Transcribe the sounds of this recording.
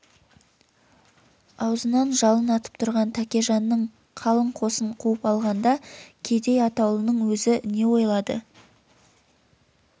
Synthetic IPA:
ɑwzənɑnʒɑlˠənɑt̪ə̥p̚t̪ʰʊɾʁɑnt̪ʰækʲe̞ʒɑnːəɴ | qʰɑlˠəɴqʰo̞səɴqʰuəpɑlˠʁɑnd̪ɑkʲʰe̞d̪e̞jɑt̪ɑwlˠənəɴwɵzɪne̞wo̞jlˠɑd̪ə̰

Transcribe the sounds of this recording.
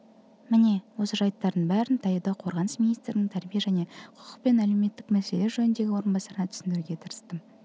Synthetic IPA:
mɪne̞wo̞səʒɑjt̪ːɑɾd̪əɴbæɾɪnt̪ʰɑjəd̪ɑqʰo̞ɾʁɑnəsminijst̪ɾɪnɪŋt̪ʰæɾbijeʒæne̞qʰʊ̥qʰə̥qpe̞næleme̞t̪ːɪkmæse̞le̞ɾʒɵnɪnd̪e̞ɡʲɪwo̞ɾənbɑsɑɾnɑt̪ʰʏsɪnd̪ɪɾɡʲe̞t̪ʰəɾəst̪əm

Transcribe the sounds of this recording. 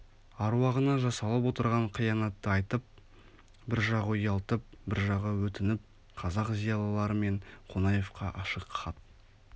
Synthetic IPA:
ɑɾwɑʁənɑʒɑsɑlˠəp̬wo̞t̪əɾʁɑɴqʰijɑnɑt̪ːəɑjt̪əp̚ | bɪɾʒɑʁəjɑlˠt̪əp̚bɪɾʒɑʁəwɵt̪ɪnɪp̚ | qʰɑzɑqzijɑlˠɑlˠɑɾəme̞ɴqʰo̞nɑje̞fqɑʔɑʃəqχʰɑt̪

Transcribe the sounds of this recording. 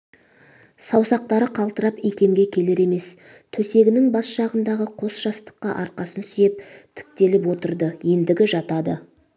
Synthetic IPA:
sɑwsɑq̚t̪ɑɾəqʰɑlˠt̪əɾɑpijkʲe̞mɡʲe̞kʲʰe̞le̞ɾe̞me̞s | t̪ʰɵse̞ɡʲɪnɪŋbɑsʃɑʁənd̪ɑʁəqʰo̞sʒ̥ɑst̪ə̥qːɑ̰ʔɑɾqɑsənsʏjep̚t̪ʰɪ̥k̚t̪e̞lɪpwo̞t̪əɾd̪əje̞nd̪ɪɡʲɪʒɑt̪ɑd̪ə

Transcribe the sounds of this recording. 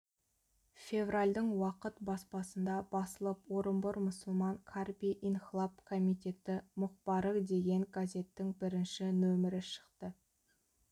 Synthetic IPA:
fe̞vralʲd̪əɴwɑqət̪bɑspɑsənd̪ɑb̥ɑsəlˠəpwo̞ɾəmbʊɾmʊsəlˠmɑŋkʰarpiʔinχlˠapkʰomijt̪e̞t̪ɪmʊqpɑɾəd̪e̞ɡʲe̞ŋɡazʲe̞t̪ːɪŋbɪɾɪnʃɪnɵmɪɾɪʃə̥qt̪ə

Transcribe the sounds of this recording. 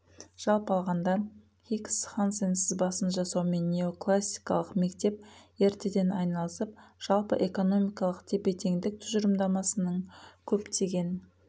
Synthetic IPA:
ʒ̥ɑlˠpəɑlˠʁɑnd̪ɑ | χiksχansensɪzbɑsənʒɑsɑwme̞nːʲe̞o̞klˠasʲːi̥jkɑ̰lˠəqme̞kt̪e̞p̚e̞ɾt̪e̞d̪e̞nɑjnɑlˠəsəp̚ʒ̥ɑlˠpəʔe̞ko̞no̞mʲijkɑlˠəqt̪ʰe̞pe̞t̪ʰe̞ŋd̪ɪk̚t̪ʰʏʒəɾəmd̪ɑmɑsənəɴkʲʰɵpt̪ʰeɡʲe̞n

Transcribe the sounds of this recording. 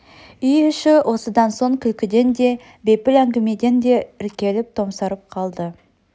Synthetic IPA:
ʏjʏʃɪwʔo̞səd̪ɑnso̞ŋkʲʰʏlkʲɪd̪e̞nd̪e̞ | be̞pɪlæŋɡʲɪme̞d̪e̞nd̪e̞ɪɾkʲe̞lɪp̚t̪ʰo̞msɑɾəp̚qʰɑlˠd̪ə

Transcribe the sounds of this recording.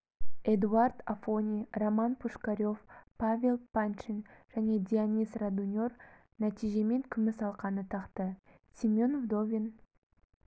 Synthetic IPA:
ed̪uard̪afo̞nʲijromɑnpʰuʃkaɾʲo̞fpavʲe̞lˠpant͡ʃinʒ̥æne̞d̪ʲianʲisrad̪unʲo̞r | næt̪ʰijʒe̞me̞ŋkʲʰʏmɪsɑlˠqɑnət̪ʰɑqt̪ə | sʲimʲo̞nvd̪ovʲin

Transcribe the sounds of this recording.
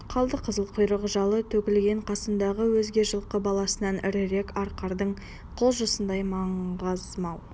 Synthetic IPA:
qʰɑlˠd̪əqʰəzəlˠqʰojɾəʁəʒɑlˠət̪ʰɵkʲɪlɡʲe̞ɴqʰɑsənd̪ɑʁəwɵzɡʲe̞ʒəlˠqəbɑlˠɑsənɑnɪ̰ɾɪɾe̞kɑɾqɑɾd̪əɴ | qʰolˠʒosənd̪ɑjmɑɴʁəzmɑw

